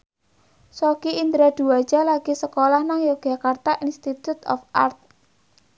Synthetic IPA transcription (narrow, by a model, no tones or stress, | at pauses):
sokiind̪ɾad̪̥ṳwḁd͡ʒ̥a̤laɡ̥isəkolahnaŋjoɡ̥a̤kart̪aʔinst̪it̪ut̪ɔ̰fʔart̪̚